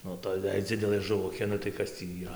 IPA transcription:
ˈnʊ ˈtoːj jɛɪ ˈd͡zʲɪdʲɛlˠɘ ʒʊˈʋʊkʲeː nʊ tɐɪ ˈkɐs tʲiː iːˈrɐ

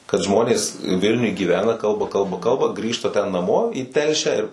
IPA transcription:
kɐt ˈʒmoːnʲeːs ˈʋʲɪlʲnʲʊj ɡʲiːˈʋʲæːnɐ ˈkɐlˠbɐ ˈkɐlˠbɐ ˈkɐlˠbɐ ˈɡrʲiːʃtɐ tʲɛn nɐˈmoː iː ˈtʲɛlʲʃʲæː ɪr

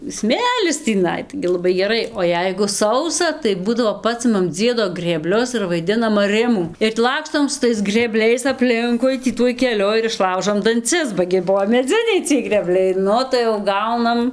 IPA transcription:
ˈsʲmʲeːlʲɪs tʲiːˈnɐɪ tɐɪ ɡʲɪ lˠɐˈbɐɪ ɡʲɛˈrɐɪ oː ˈjɛɪɡʊ ˈsɐʊsɐ tɐɪ ˈbuːdɐʋoː ˈpɑːsʲɪmɐm ˈd͡zʲiɛdoː ɡrʲeːˈbʲlʲʊs ɪr ʋɐɪˈdʲɪnɐm ɐˈrʲɪmuː ɪr tʲɪ ˈlˠɑːkstoːm sʊ ˈtɐɪs ɡrʲeːˈbʲlʲɛɪs ɐpʲˈlʲɪŋkʊɪ ˈtʲiː ˈtuɔj kʲɛˈlʲʊ ɪr ɪʃˈlˠɐʊʒoːm dɐnʲˈt͡sʲɪs bɐ ɡʲɪ ˈbuɔ mʲɛˈd͡zʲɪnʲɛɪ t͡sʲiɛj ɡrʲeːˈbʲlʲɛɪ ˈnʊ tɐɪ jɛʊ ˈɡɐʊnɐm

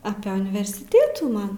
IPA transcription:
ɐpʲeː ʊnʲɪʋʲɛrʲsʲɪˈtʲeːtuː ˈmɐn

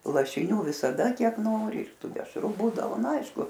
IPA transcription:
lˠɐʃʲɪˈnʲuː ʋʲɪsɐˈdɐ ˈkʲiɛk ˈnoːrʲɪ ɪr ˈtuː dʲɛʃˈrʊ ˈbuːdɐʋoː nʊ ˈɐɪʃkʊ

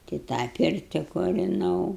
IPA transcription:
tɐɪ ˈtɑː ˈpʲɪrʲtʲɪ kʊrʲɪˈnɐʊ

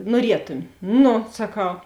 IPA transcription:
nuɔˈrʲiɛtʊmʲɪ ˈnʊ sɐˈkɐʊ

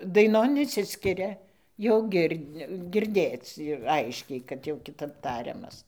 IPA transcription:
dɐɪˈnoːn ɪʃʲˈsʲɪsʲkʲɪrʲɛ jɛʊ ˈɡʲɪrʲ ɡʲɪrʲˈdʲeːt͡s ˈɐɪʃʲkʲɛɪ kɐt jɛʊ kʲɪˈtɐp ˈtɑːrʲɛmɐs

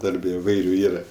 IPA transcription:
ˈdɐrʲbʲɛ ɪˈʋɐɪrʲʊ ˈiːrɐ

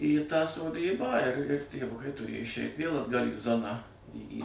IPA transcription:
iː tɑː soːˈdʲiːbɑː ɪr tʲeːʋˈʊkɐɪ tʊˈrʲeːjɛ ɪʃʲˈɛɪtʲ ʋʲeːlˠ ɐdˈɡɐlʲ iː ˈzoːnɑː ˈiː iː

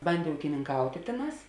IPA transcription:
ˈbɐnʲdʲeː uːkʲɪnʲɪŋˈkɐʊtʲeː ˈtʲeːˌnɑːs

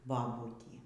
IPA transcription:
bɐˈbʊtʲiː

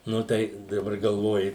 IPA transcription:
ˈnʊ tɐɪ dɐˈbɐr ɡɐlˠˈʋoːjɪ

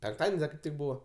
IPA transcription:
pʲɛŋkˈtɑːdʲɛnʲsʲ dɐ kɐɪp ˈtʲɪk ˈbuːʋɐ

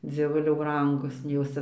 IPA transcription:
d͡zʲiɛˈʋʊlʲɛʊ ˈbrɐŋɡʊs nʲɛɪ ˈjoːs t͡sʲɛ

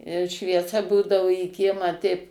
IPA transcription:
ʃʲʋʲiɛˈsɐ ˈbuːdɐʋʊ iː ˈkʲiɛmɑː tʲɛɪp

